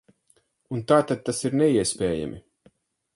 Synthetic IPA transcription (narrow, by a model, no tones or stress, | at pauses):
unt̪aːt̪ad̪̚t̪ːasiɾnɛiɛspʲɛːja̰mʔḭ